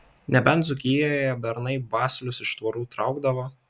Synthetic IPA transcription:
nʲɛbʲɛnt̪zʊkʲijoːjɛbʲɛɾnɐɪbɑːsʲlʲʊsɪʃt̪ʋɐɾuːt̪ɾɑʊɡd̪ɐʋo

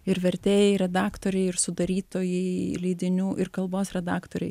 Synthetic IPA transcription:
ɪɾʋʲɛɾʲt̪ʲeːjɛɪɾʲɛd̪ɑːkt̪oːɾʲɛɪɪɾsʊd̪ɐɾʲiːt̪oːjɛlʲiːd̪ʲɪnʲuːʔɪɾkɐlˠboːsɾʲɛd̪ɑːkt̪oːɾʲɛɪ

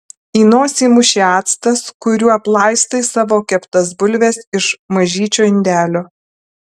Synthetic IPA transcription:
iːnoːsʲiːmʊʃʲiɑːt̪st̪ɐskʊɾʲuːɐplˠɑˑɪst̪ɐɪsɑːʋoːkʲɛpt̪ɐsbʊlʲʋʲɛsɪʃmɐʒʲiːt͡ʃʲoːɪnʲd̪ʲæːlʲoː

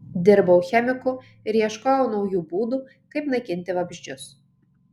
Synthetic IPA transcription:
d̪ʲɪɾbɐʊxʲɛmʲɪkʊ | ɪɾiɛʃkoːjɛʊnɒʊjuːbuːd̪uː | kɐɪpnɐkʲɪnʲt̪ʲɪʋɐbʲʒʲd͡ʒʲʊs

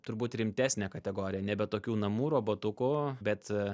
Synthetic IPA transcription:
t̪ʊɾbuːt̪ɾʲɪmʲt̪ʲæːsʲnʲɛːkɐt̪ʲɛɡoːɾʲɪjɛnʲɛbʲɛt̪oːkʲuːnɐmuːɾoːboːt̪ʊkʊbʲɛt̪

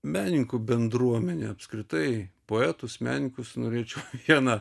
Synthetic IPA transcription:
mʲæːnʲɪŋkʊbʲɛnd̪ɾuɔmʲɛnʲeɐpskɾʲɪt̪ɐɪpoːæːt̪ʊsmʲæ̰ːnʲɪŋkʊsnoːɾʲeːt͡ʃʲɛʊʋʲiɛnɑ

